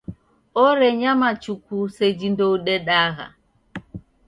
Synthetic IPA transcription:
ɔɾɛɲamat͡ʃukused͡ʒindowɗɛɗaɣa̰

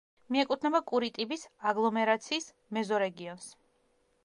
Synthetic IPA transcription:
miɛkʼut̪ʰnɛbakʼuɾit̪ʼibisaɡlˠɔmɛɾat̪sʰiːs | mɛzɔɾɛɡiɔns

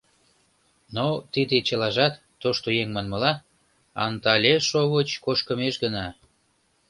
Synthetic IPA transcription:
not̪id̪et͡ɕəlɑʒɑt̪ːoʃt̪ojeŋmɑnmɤ̆lɑ | ɑ̰nt̪ɑlʲeʃoβət͡ɕkoʃkə̆meʃɡənɑ

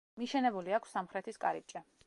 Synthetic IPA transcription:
miʃɛnɛbuliakʰfsːamχɾɛt̪ʰiskʼa̰ɾip̚t͡ʃʼɛ

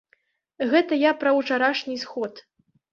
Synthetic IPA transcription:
ɣɛt̪ɐjapɾɐwt͡ʂaɾaʂnʲisxɔt̪

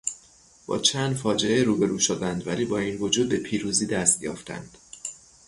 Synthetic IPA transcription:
b̥ɒ̰ːt͡ʃʰænd̪fɒːd͡ʒe̞eɾuːbe̞ɾuːʃod̪ænd̪væliːbɒːiːnvo̞d͡ʒuːd̪̚be̞pʰiːɾuːziːd̪æst̪jɒ̰ːft̪æ̰nd̪̥

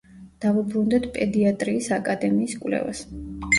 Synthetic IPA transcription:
d̪̥avɛbɾund̪ɛt̪ʰpʼɛd̪iat̪ʼɾiːsakʼad̪ɛmiːskʼvlɛ̰va̰s

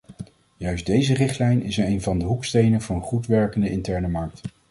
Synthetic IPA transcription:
jœɥsdejzərɪχtlɛjnɪsejnvɑndəɦukstejnənvɑnənχutʋɛɹkəndəɪntɛɹnəmɑɹk̚t

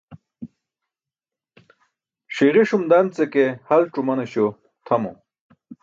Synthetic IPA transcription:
ʂiʁiʂumd̪amt͡sekehɐlʈ͡ʂumɐnɐɕo | t̪ʰɐmo̰

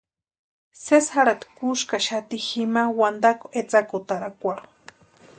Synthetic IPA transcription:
sesxaɾat̪kuʃkaʃat̪iximawand̪ako̥et͡sakot̪aɾakʷaɾu

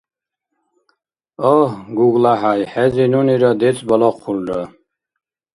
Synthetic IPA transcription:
ɔhɡuɡlaɦajħɛzinuniɾɔd̪ɛt͡sʼbɔlɔqʰːulɾɔ

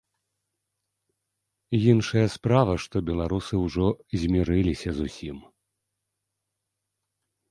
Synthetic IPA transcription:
jinʂɐjɐspɾavɐʂt̪ɔbʲɛlˠaɾusɨwʐɔzʲmʲiɾɨlʲisʲɐzusʲim

